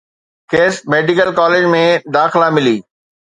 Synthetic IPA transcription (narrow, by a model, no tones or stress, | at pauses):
keːsmeːɖɪkəlkaːleːd͡ʒmẽd̪aːxɪlamɪliː